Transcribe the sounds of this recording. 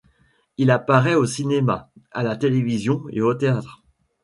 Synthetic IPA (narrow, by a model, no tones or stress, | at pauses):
ilapaʁɛosinemaa̰lat̪elevizjɔ̃ḛot̪eat̪χ